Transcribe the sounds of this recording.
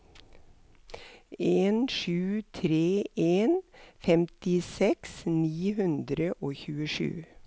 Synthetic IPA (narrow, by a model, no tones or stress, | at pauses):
eːnʃʉːt̪ʰɾeːʔeːnfɛmt̪ɪsɛksniːhʉnd̪ɾəʔoːçʉːəʂʉ̰ː